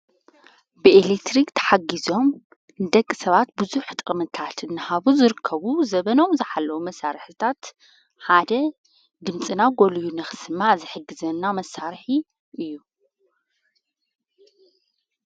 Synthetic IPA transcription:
bɨelek̚t̪ʰɾikt̪ʰɐ̥ħaɡizo̞m | d̪ɐkʼːisɐβat̪̚bɨzuħt̪ʼʔʼmɨt̪ʰat̪ʰɨnːɨhaβuzɨɾɨkʰːɐβuzɐβɐno̞mzɨħalːɐwumɐsaɾħɨt̪ʰat̪ | ħad̪ɐ | d̪ɨmt͡sʼɨnaɡolijunɐxɨ̥sɨmːazɨħɨɡːɨzɐnːamɐsːaɾħi | ʔɨjːu

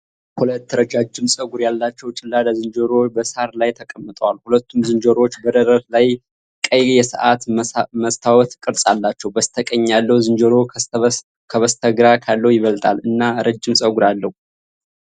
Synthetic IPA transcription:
hulət̪ːɾəd͡ʒad͡ʒːɪmsʼəɡuɾjalːat͡ʃːɛwt͡ʃʼɪlːad̪azɨnd͡ʒəɾobəsaɾlajt̪ʰəkʼəmːɨt̪ʼəwalhulət̪ːumzɨnd͡ʒəɾo̞t͡ʃːbəd̪əɾəɾlaj | kʼəjjɛsɨʔat̪məst̪ʰawɔt̪kʼɨɾsʼalːat͡ʃːɛwbəst̪ʰəkʼəɲːalːəhuzɨnd͡ʒəɾo̞ | kʰəβəst̪ʰəɡɾakʰalːəwjɪβəlt̪ʼalɨnːaɾəd͡ʒːɪmsʼəɡuɾalːəhu

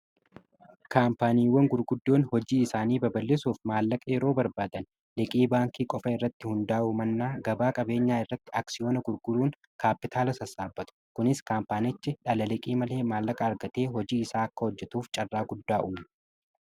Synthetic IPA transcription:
kaːmpaːniːwːɐŋɡʊɾɡʊd̪ːo̞ːnhɔd͡ʒiːɪsaːniːbɐbɐlːeːsuːfmaːlːɐkʼɐɛɾo̞ːbɐɾbaːd̪ɐn | lɛkʼiːbaːŋkiːkʼɔfɐɪrːɐt̪ːɪhʊnd̪aːʔʊmɐnːaːɡɐbaːkʼɐbe̞ːɲːaːɪrːɐt̪ːɪʔaːksɪjo̞ːnɐɡʊɾɡʊɾuːn | kaːpːɪt̪ʰaːlɐsɐsaːbːɐt̪ʊ̥kʊnɪskaːmpaːnɪt͡ʃːɪᶑɐlɐlɛkʼiːmɐle̞ːmaːlːɐkʼɐːɾɡɐt̪e̞ːɦɔd͡ʒiːɪsaːɐkːɐhɔd͡ʒːɛt̪uːft͡ʃʼɐrːaːɡʊd̪ːaːʔuːm

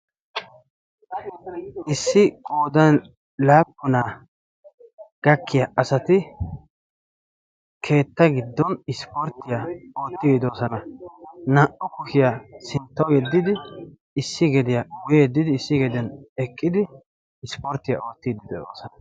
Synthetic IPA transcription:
ʔɪsːɪkʼo̞ːd̪ɐn | laːpːʊnaː | ɡ̥ɐkːɪjɐɐsɐt̪ɪ | kʰe̞ːt̪ːɐɡɪd̪ːɔnɪspɔɾt̪ːɪjao̞ːt̪ːɪɡd̪o̞ːsɐnɐnɐʔɔkʊʃɪjasɪnt̪ːɐwjɛd̪ːɪd̪ɪ | ɪsːɪɡɛd̪ɪjɐwʊjeːd̪ːɪd̪ɪːsːɪɡɛd̪ɪjɐnɛkʼːɪd̪ɪ | ɪspɔɾt̪ːɪjɐ̰ʔo̞ːt̪ːɪd̪ɪd̪o̰ːsɐnɐ

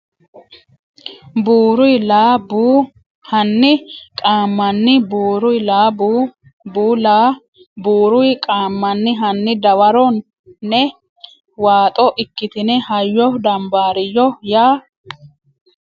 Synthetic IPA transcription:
buːɾʊjlaːbuː | hɐnːɪkʼaːmːɐnːɪbuːɾʊjlaːbu | buːlaː | buːɾʊjkʼaːmːɐnːɪɦɐnːɪd̪ɐwɐɾɔnː | ɛ | waːt̪ʼɔʔɪkːɪt̪ɪnɛhɐjːɔd̪ɐmbaːɾɪjːɔjaː

